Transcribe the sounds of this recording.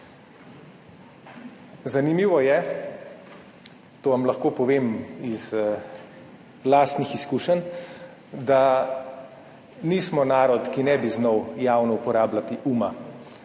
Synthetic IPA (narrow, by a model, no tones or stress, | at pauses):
zanimiːʋɔjɛ | t̪oːʋamlaxkoːpɔʋeːmiz | laːst̪nixiskuʃən | d̪a | niːsmɔnaːɾɔt̪kinɛbiznɔwjaːwnɔupɔɾaːblat̪iʔuːma